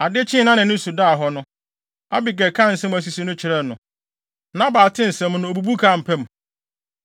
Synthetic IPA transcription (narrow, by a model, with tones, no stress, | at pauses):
a˨dɪ˦t͡ɕʰɪ̃˦nã˦nɪ̃˨nʊ̃˦su˨da˦˨ɦɔ˦nʊ̃˦ | a˦bi˨ɡɛ˨kʰã˦˨n̩˨sɛ̃˦m˦æ˨s̬i˨si˦nʊ̃˦t͡ɕʰɪ˨ɾɛ˦˨nʊ̃˨ | nã˦baː˨tʰɪ̃˦n̩˨sɛ̃˦m˦nʊ̃˦o˨bu˨bu˦kʰa˦˨m̩˨pʰɛ̃˦m˨